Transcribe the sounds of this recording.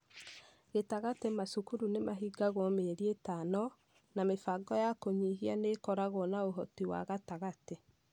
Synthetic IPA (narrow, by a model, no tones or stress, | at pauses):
ɣetaɣatemasukuɾunemaɦiɡaɣomeɾietanɔ | namefaɡɔjakoɲiɦianekɔɾaɣonaoɦɔtiwa̰ɣataɣate